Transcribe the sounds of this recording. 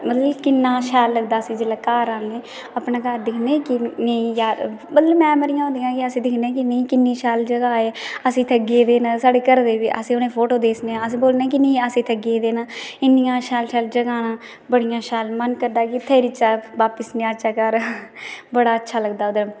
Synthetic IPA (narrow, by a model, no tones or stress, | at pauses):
mət̪ləbkɪnːãːʃɛːlːəɡd̪aːəsĩːd͡ʒelaːkaːɾaːndeː | əpnaːkaːɾd̪ɪkʰnẽːkɪnejaːɾmət̪ləbmɛ̃ːməɾijãːõːnd̪ijãːkɪəsĩːd̪ɪkʰnẽːk̬ɪnə̃iːkɪnːiːʃɛːld͡ʒəɡaːeːəsĩːt̪ʰəɡeːd̪eːnãːsaːɽeːkəɾd̪eːʋiːʔə̰sĩːʊnẽːpʰoːʈoːd̪eːsneːəsĩːboːlnẽːk̬ɪnə̃ːəsĩːt̪ʰəɡeːd̪eːnãːɪnːɪjãːʃɛːlʃɛːld͡ʒəɡaːnãː | bəɽijãːʃɛːlmənkəɾd̪aːkɪt̪ʰəːɾɪt͡ʃaːʋaːpəsnĩːaʃʰaːkəɾ | bəɽaːətːʃʰaːləɡd̪aːʊd̪əɾ